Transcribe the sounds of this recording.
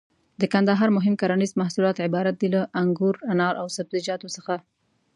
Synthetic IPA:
d̪əkand̪aɦɑɾmʊɦɪmkaɾanizmahsulɑt̪ʕɪbɑɾat̪̚d̪ilaʔaŋɡuɾanɑɾʔawsabzid͡ʒɑt̪osəxa

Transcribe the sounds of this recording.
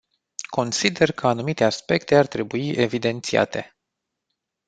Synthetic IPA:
kʰo̞nsid̪e̞rkʰəanumit̪e̞aspe̞kt̪e̞art̪ɾe̞buiʔe̞vid̪e̞nt̪sia̰t̪e̞̰

